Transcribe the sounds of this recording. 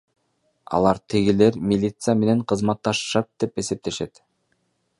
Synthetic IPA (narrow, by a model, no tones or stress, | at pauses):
ɑ̰lˠɑɾt̪ʰiɡile̞ɾmʲilʲit̪sɨjame̞ne̞ɴqʰɯzmɑt̪ːɑʃɯ̥ʃɑt̪̚d̪e̞pe̞se̞p̚t̪e̞ʃe̞t̪